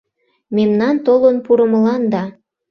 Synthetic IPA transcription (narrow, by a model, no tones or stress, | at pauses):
memnɑnt̪olonpuɾə̆məlɑnd̪ɑ